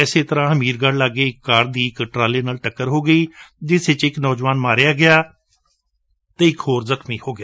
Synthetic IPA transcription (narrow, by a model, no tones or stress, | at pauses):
ɛːseːt̪əɾãːɦəmiːɾɡaɽlaːɡeːɪkːaːɾd̪iːɪkʈɾaːleːnaːlʈəkːəɾɦoːɡəiːd͡ʒɪsɪt͡ʃɪknɔːd͡ʒʋaːnmaːɾjaːɡɪaː | t̪eːɪkɦoːɾzəkʰmiːhoːɡɪjaː